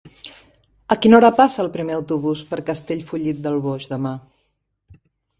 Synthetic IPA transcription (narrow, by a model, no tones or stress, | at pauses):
əkinɔɾəpasəːlˠpɾimeəwt̪uβ̞uspəɾkəst̪eʎfuʎit̪̚d̪əlˠβoʒd̪əma